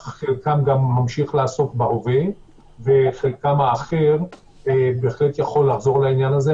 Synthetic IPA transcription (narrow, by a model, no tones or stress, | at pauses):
χelkamɡamːamʃiχlaaso̞kbaove | ve̞χelkamaːχeʁ | beːχle̞tjaχo̞lːaχzo̞ʁlainjanaze